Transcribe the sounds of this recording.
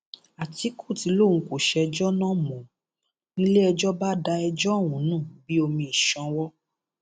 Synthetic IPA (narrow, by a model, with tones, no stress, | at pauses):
a˨ti˨˦ku˦˨ti˨˦lo˦˨ŋ̩̃˨˧ko˨ʃɛ˧d͡ʒɔ˦nã˦mɔ̃˨ | nĩ˦le˦ɛ˧d͡ʒɔ˦ba˦da˧ɛ˧d͡ʒɔ˦˨wũ˨˦nũː˦˨bi˦o˧mĩ˧i˨ʃɔ̃˧˦wɔ˦